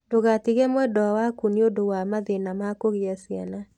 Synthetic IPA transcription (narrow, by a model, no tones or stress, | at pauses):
d̥oɣatiɣɛmɛdɔwakuniodowamaðenamakoɣɪasɪana